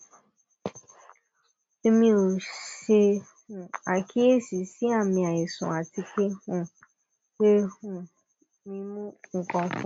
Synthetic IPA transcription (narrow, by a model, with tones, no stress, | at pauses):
e˨mĩ˦o˨ʃe˧ | hũ˨a˨ki˦e˦si˨si˦a˦˨mĩ˧a˨e˨sṵ̃˨a˨ti˨ke˦hũ˦ | we˦hũ˦ | mĩ˦mũ˦ŋ̩˨kɔ̃˧˦fɔ̃˨˦